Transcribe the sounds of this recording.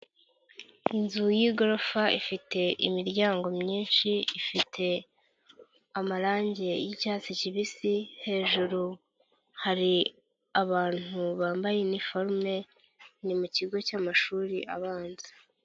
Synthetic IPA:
inzujiːɡo̞ɾofaifitʰe̞ʔimiɾɟaːŋɡo̞mɲiːnʃiifitʰe̞ | amaɾaːɲɟe̞jicaːt͡siciβisihe̞ːʒuɾu | haɾi | aβaːn̥uβaːmbajenifoɾme̞ | nimuciɡo̞caːmaʃuːɾiʔa̰βaːnzi̥

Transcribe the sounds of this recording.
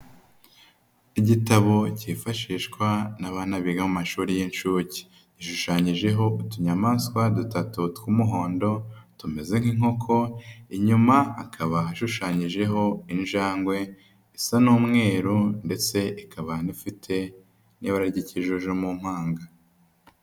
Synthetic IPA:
iɟitaβo̞cifaʃiːʃkwanaβaːnaβiɡamumaʃuːɾijinʃuci̥ | iʃuʃaːɲiʒe̞ɦo̞utuɲamaskwadutatutkumuɦo̞ːndo̞tume̞ze̞ŋ̥hiŋo̞kʰo̞iɲumaːkʰaβaɦaʃuʃaːɲiʒe̞ɦo̞inʒaːŋɡwe̞ | isanuːmŋe̞ːɾunde̞t͡se̞ikʰaβanifitʰe̞ | niβaɾaɟiciʒuʒumum̥haːŋɡa

